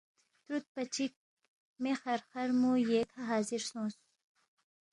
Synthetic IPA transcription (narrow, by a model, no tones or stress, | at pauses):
t̪ɾut̪̚pat͡ʃik̚ | mexaɾxaɾmujekʰaɦɑːzɪɾsõs